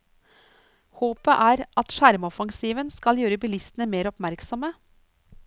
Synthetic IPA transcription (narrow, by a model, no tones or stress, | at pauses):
hoːpəʔæːɾʔɑt̪ʃæɾmɔfɑŋsiːʋənskɑljøːɾəbɪlɪst̪ənəmeːɾɔpmæɾksɔmə